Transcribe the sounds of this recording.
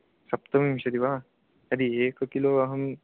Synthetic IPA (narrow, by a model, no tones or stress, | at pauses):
sɐpt̪əmɐmɕɐd̪iʋa | ɐd̪ieːkkiloɦɐm